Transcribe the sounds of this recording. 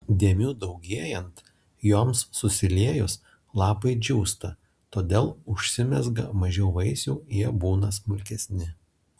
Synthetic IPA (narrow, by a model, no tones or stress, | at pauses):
d̪ʲiɛmʲuːd̪ɐʊɡʲiɛjɛnt̪ | joːmsːʊsʲɪlʲiɛjʊs | lˠɑːpɐɪd͡ʒʲuːst̪ɐ | t̪oːd̪ʲeːlˠʊʃʲsʲɪmʲɛzɡɐmɐʒʲɛʊʋɐɪsʲuːjiɛbuːnɐsmʊlʲkʲɛsʲnʲɪ